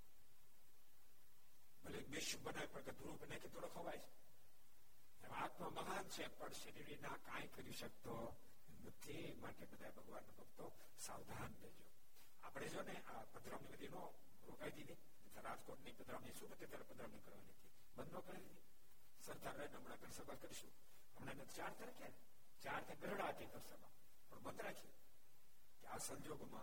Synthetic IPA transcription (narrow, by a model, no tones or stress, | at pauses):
bəlekbeʃũbənaʋipəɾɡəd̪uɾubənajked̪oɽokʰoʋajt͡ʃʰe̥ | emãat̪ʰmãməɦant͡ʃʰepəɳʃəɾiɾinãkãjkəɾiʃək̚t̪o | emnət̪ʰi | maʈebəd̪ʱaebəɡʋanːobʱəkt̪o | saʋd̪ʱand̪ed͡ʒo | a̰pɽ̃ed͡ʒoneʔapəd̪ɾamnibəd̪ʱino | ɾokaid̪id̪i | nət̪ʰaɾad͡ʒkoʈnipəd̪ɾamniʃũbət̪ːet̪aɾəpəd̪ɾamnikəɾʋaniɦət̪ʰi | bənd̪okaid̪id̪i | səɾd̪ʱaɾənɦəmɽaɡʱəɳsəbalkəɾiʃṵ̃ | əmɳenet̪ʰt͡ʃaɾt̪ʰiɾəkjane | t͡ʃaɾt̪ʰiɡəɾɽaət̪id̪əɾsəmã̰ | pəɳbənd̪ɾakʰi | keasə̃ɲd͡ʒoɡmã̰